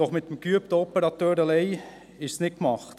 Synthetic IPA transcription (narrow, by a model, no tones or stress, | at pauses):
ɔχmɪt̪ːəmkyəp̚t̪əɔpəɾɑt̪øːɾɑleɪ | ɪʃsnɪkmɑχt̪